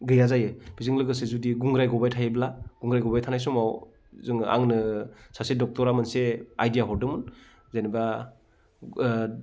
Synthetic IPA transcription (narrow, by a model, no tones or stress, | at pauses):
ɡɯjazajɯbizɯŋlɯɡɯsezudiɡuŋɾajɡɔbajtʰajɯblaɡ̥uŋɡɾajɡɔbajtʰanajsumaw | zɯŋa̰ŋnɯsasedɔk̚tɔɾamanseajdijaɦɔɾdɯmun | zaniba